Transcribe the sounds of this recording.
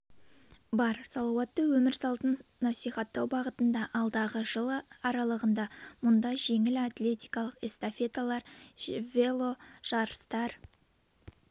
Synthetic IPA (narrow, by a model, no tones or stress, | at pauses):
bɑɾsɑlˠɑwɑt̪ːəwɵmɪɾsɑlˠt̪ənnɑsijχɑt̪ːɑwbɑʁət̪ənd̪ɑʔɑlˠd̪ɑʁəʒəlˠəɑɾɑlˠəʁənd̪ɑmʊnd̪ɑʒe̞ŋɪlat̪le̞t̪ijkɑlˠəqest̪afe̞t̪alˠɑɾvelˠo̞ʒ̥ɑɾəst̪ɑɾ